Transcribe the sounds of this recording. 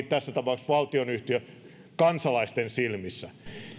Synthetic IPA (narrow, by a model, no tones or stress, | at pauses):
tt̪æsːæt̪ɑpɑˑuksʋɑlt̪ionyht̪iø | kɑnsɑlɑist̪ensilmisːæ